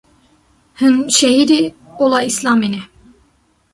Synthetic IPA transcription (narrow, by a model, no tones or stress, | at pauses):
hɨnʃɛɦiɾi | olˠɑislɑmini